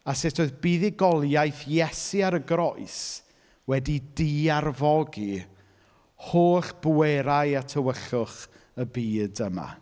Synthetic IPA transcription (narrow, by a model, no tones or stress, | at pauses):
asɪtʰoɨðbiːðiɡɔlˠjajθjɛsiaɾəɡɾɔɨs | wɛdidiarvɔɡi | hoːɬb̥eɾajatʰəwəɬʊχ | əbiːdəma̰